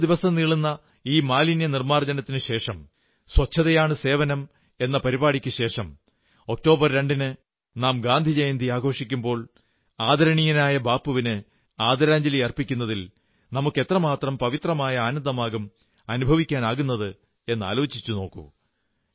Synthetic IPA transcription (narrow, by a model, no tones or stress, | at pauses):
d̪iʋɐsɐniɭunːɐ | iːmaːlinjɐnirmaːrd͡ʑɐnɐt̪ːinɨɕe̞ːʂɐm | swɐt͡ɕʰːɐðɐjaːɳɨse̞ːʋɐnɐm | e̞nːɐpɐɾibaːɽikʲːɨɕe̞ːʂɐm | o̞k̚to̞ːbɐrɾe̞ɳɖinɨ | naːmɡaːnd̪ʱid͡ʑejɐnd̪ʱiaːɡʱo̞ːʂikʲːumbo̞ːɭ | aːd̪ɐɾɐɳijɐnaːjɐbaːpːuʋinɨ | aːd̪ʱɐɾaːɲd͡ʑɐlijɐrpːikʲːun̪ːɐðil | nɐmukːe̞t̪rɐmaːt̪rɐmpɐʋit̪rɐmaːjɐaːnɐnd̪ɐmaːɣɐm | ɐnubʱɐʋikʲːaːnaːɣunːɐðɨ | e̞nːa̰ːlo̞ːt͡ɕːit͡ɕːuno̞ːkːṵ